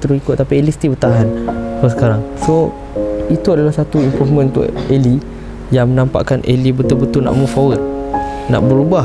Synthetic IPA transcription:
t̪əɾusikʊt̪̚ːapielist̪ibət̪aɦanpəs̬ə̥kaɾaŋso | it̪uadalahsat̪uimpɾufmə̃nut̪ʊ̰ʔeli | jaŋmənãmpa̰ʔkanʔḛlibət̪ʊlbət̪ʊlna̰ʔmufawət̪̚na̰ʔbəɾubah

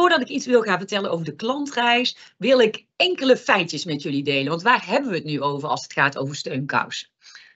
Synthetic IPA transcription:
ʊːɹdɑtɪkitsʋɪlˠχaːnvəɹtɛlənʔowvəɹdəklɑntrɛjsʋɪlˠɪk | ɛŋkələfɛjtjəsmɛtjɵlidejlənʋɑntʋaːɹɦɛbənʋəɦətnyowvəɹɑ̰lˠsətχaːto̰wvəɹstøɥnkɑ̰ws

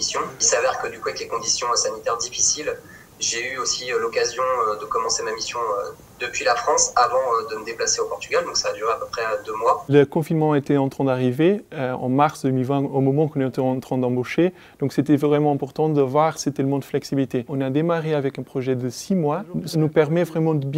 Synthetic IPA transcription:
isjɔ̃ilsavɛʁkəd̪ykuaɛklekɔ̃d̪isjɔ̃sanit̪ɛʁd̪ifisil | ʒeyosiølɔkazjɔ̃ød̪əkɔmɑ̃semamisjɔ̰̃ | d̪əpɥilafχɑ̃savɑ̃ød̪əməd̪eplaseopɔʁt̪yɡald̪ɔ̃ksaːd̪yʁeapøpχɛød̪ømwaləkɔ̃finmɑ̃aet̪ɛɑ̃t̪χɛ̃d̪aʁiveøɑ̰̃maʁsd̪əømilvɛ̃omɔmɑ̃kɔ̃nɛt̪ɛɑ̃t̪χɛ̃d̪ɑ̃boʃe | d̪̥ɔ̃kset̪ɛvʁɛmɑ̃ɛ̃pɔʁt̪ɑ̃d̪əvwaʁset̪ɛləmɔ̃d̪əflɛksibilit̪eɔ̃nad̪emaʁeavɛkɛ̃pχɔʒɛd̪əsimwasənupɛʁmɛvʁɛmɑ̃d̪əbj

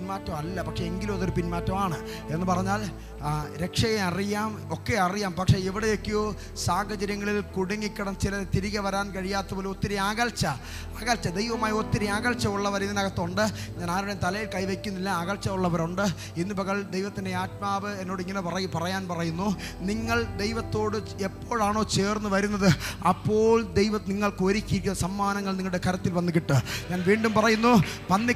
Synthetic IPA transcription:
nmaːtːɐmɐlːɐpɐkʂeeŋɡilumɐðoɾupinmaːtːɐmaːɳɨ | e̞nːɨpɐrɐɲːaːl | ɾe̞kʂɐjeɐrijaːmo̞kːeɐrijaːmpɐkʂe̞iʋiɽejo̞kːejoː | saːɡɐt͡ɕɐɾjɐŋːɐɭilkuɽɐŋːikʲːɐɽɐmt͡ɕilɐt̪iɾiɣɐʋɐɾaːnkɐɻijaːt̪ːɐpoːlot̪ːiɾiaːɣɐlt͡ɕɐ | aːɣɐlt͡ɕːɐd̪e̞jʋɐmaːjot̪ːiɾiaːɣɐlt͡ɕɐuɭːɐʋɐɾinːinɐɣɐt̪ːuɳɖɨɲaːnaːɾuɽemt̪ɐlɐjilkɐjʋe̞kʲːunːilːɐaːɣɐlt͡ɕːɐuɭːɐʋɐɾoɳɖɨ | inːipɐɣɐɭd̪ejʋɐt̪ːinde̞aːt̪̚maːʋɨe̞nːoːɽɨiŋːɐnepɐrɐjpɐrɐjaːnpɐrɐjunːu | niŋːɐɭd̪e̞jʋɐt̪ːo̞ːɽɨ | e̞pːo̞ːɻaːɳo̞ːt͡ɕe̞ːrnːɨʋɐɾunːɐðɨɐpːo̞ːɭd̪e̞jʋɐniŋːɐɭkɨoːɾikʲːiɾikʲːunɐsɐmːaːnɐŋːɐɭniŋːɐɭɽekʰɐɾɐt̪ːilʋɐnːik̬ːiʈːɨɲaːnʋiːɳɖumpɐrɐjunːuʋɐnːi

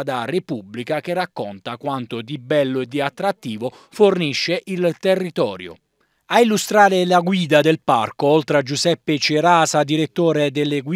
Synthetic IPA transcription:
d̪arepubːlikak̟erːakːont̪akwant̪od̪ibɛlːoɛd̪ːiat̪ːɾat̪ːiːvo | forniʃːeʔilt̪erːit̪ɔ̰ːɾjo̰ | ailːust̪ɾaːɾɪlaɡwiːd̪ad̪elpa̰rkoolt̪ɾad͡ʒuzɛpːet͡ʃeɾaːsad̪iɾet̪ːoːɾed̪elːeɡw

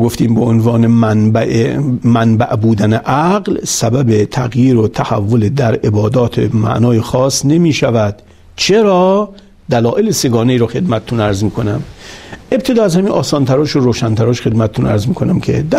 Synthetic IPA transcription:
ɡoft̪iːmbeonvɒːnenb | mænbæ̰ʔbuːd̪æneʔæɡlsæbæbet̪ʰæɣjiːɾot̪ʰæhæ̰vːoled̪æɾebɒːd̪ɒːt̪ʰemæ̰ʔnɒːjexɒːsne̞miːʃævæd̪̥ | t͡ʃʰe̞ɾɒː | d̪ælɒːʔeleseɡɒːneiːɾɔxe̞d̪mæt̪ʰet̪ʰunæɾzmiːkʰonæmʔe̞b̚t̪ʰed̪ɒːæzhæmiːnʔɒːsɒːnt̪ʰæɾɒːʃoɾoːʃænt̪ʰæɾɒːʃxe̞d̪mæt̪ʰet̪unæɾzmiːkʰonæmkʲʰḛd̪æ

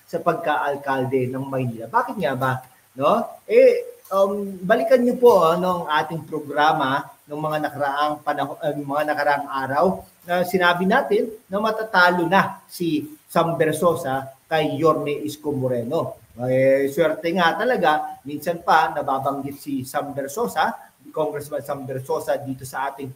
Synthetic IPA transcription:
sɐpɐɡ̚kaʔɐlkald̪ɛnɐŋmɐjniːlɐbaːkɪt̪̚ŋaba | no̞ʔɛʔɐmbɐlɪkɐnɲopo̞ʔanoɐŋʔaːt̪ɪŋpɾoɡɾaːmɐnoŋmɐŋanɐkɐɾɐʔaŋpɐnɐɦmɐŋanɐkɐɾɐʔaŋʔaːɾɐw | nɐsɪnaːbɪnaːt̪ɪnːɐmɐt̪at̪aːlo̞nɐsisɐmbɛɾsoːsɐkɐjːoɾnɛʔɪskomoɾɛno̞ | swɛɾt̪ɛŋat̪ɐlɐɡamiːnsɐnpɐnɐbaːbɐŋɡɪt̪̚sisɐmbɛɾso̞ːsɐ | koŋɡɾɛsmɐnsɐmbɛɾso̞sɐd̪iːt̪o̞sɐʔaːt̪ɪŋ

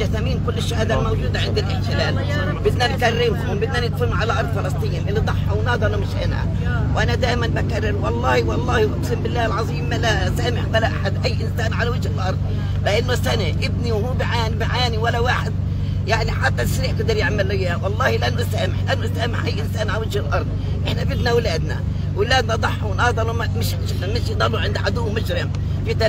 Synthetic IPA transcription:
aθamiːmkʊlːɪʃːahaːd̪almawʒuːd̪aʕɪnd̪ɪlʔɪħt̪ɪlaːl | bɪd̪nankarːɪmkʊbɪd̪nanɪt̪fʊnːʕalaʔɑɾˤd̪ˤfɑlɑsˤt̪ˤijːnʔɪlːid̪ˤɑħːɑwnɑːd̪ˤɑlumɪʃʔɪ̰nha̰ | wʔanad̪aːʔɪmanbakarˤːɪɾwɑlˤːɑːhwɑlˤːɑːhʔʊbsɪmbɪlːaːhɪlʕɑzˤiːmːala | saːmɪħwalːaʔaħad̪ʔajːʔɪnsaːnʕalawɪʒhɪlʔɑɾˤd̪̚ˤ | laʔanːosanaʔɪb̚niwhuːbɪʕaːnbɪʕaːniwalːawaːħɪd̪̚ | jaʕniħat̪ːasɾiːʔkɪd̪ɪɾjɪʕmalʔɪjːaːwɑlˤːɑːhilʔanːʊsaːmɪħlʔanːʊsaːmɪħʔajːʔɪnsaːnʕalawɪd͡ʒhɪlʔɑɾˤd̪̚ˤ | ʔɪħnabɪbnawlaːd̪na̰ | wɪlaːd̪nad̪ˤɑħːunʔɑd̪ˤɑlummɪʃʒɪd̪mɪʃjd̪ˤɑlːuʕɪnd̪ʕad̪uːmʊd͡ʒɾɪm | fit̪a

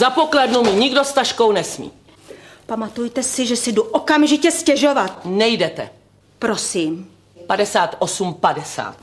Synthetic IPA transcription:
zapoklɛdnumɪɲɪɡdost̪aʃko̞wnɛsmḭː | pamat̪ujt̪ɛsɪʒɛsɪduʔokamʒɪcɛscɛʒovat̪nɛjdɛt̪ɛ̰ | pɾosiːm | padɛsaːt̪ʔosumpadɛsa̰ːt̪

